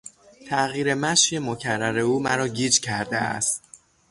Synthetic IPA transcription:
t̪ʰæɣiːɾe̞mæʃje̞mocʰærːæɾe̞uːmæɾɒːɟiːd͡ʒcʰæɾd̪ḛæ̰st̪

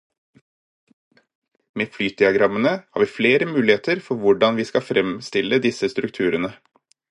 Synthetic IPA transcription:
meːflyːd̪ɪɑɡɾɑmːənəhɑːɾʋiːfleːɾəmʉːlɪheːt̪əɾfɔɾʋʊɖɑnʋiːskɑfɾʔɛmst̪ɪlːəd̪ɪsəst̪ɾʉk̚t̪ʰʉːɾənə

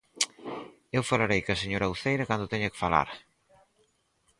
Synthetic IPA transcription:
ewfalaɾejkɐseɲoɾawθejɾɐkand̪ʊt̪ɛɲɐkɪ̥fala̰ɾ

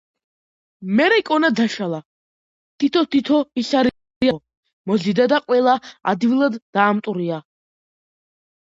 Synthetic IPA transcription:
mɛɾɛkʼɔnad̪aʃala | t̪ʰit̪ʰɔt̪ʰit̪ʰɔiɬaɾ | iɔ | mɔzid̪ad̪aqʼwɛlˠaa̰d̪ivlˠad̪ːaːmt̪ʼuɾia

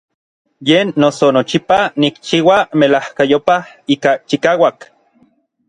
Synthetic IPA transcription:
jeːnːosonot͡ʃipanikt͡ʃiːwamelahkajopah | iːkat͡ʃikaːwak

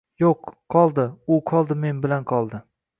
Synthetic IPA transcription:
joqːʰɒlˠd̪ɪʊqʰɒlˠd̪ɪme̞nbɪlanqʰɒlˠd̪ɪ

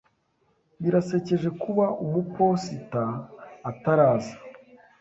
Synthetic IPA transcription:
βiɾase̞ce̞ʒe̞kuβaʔumupo̞sitaː | taɾaːzḁ

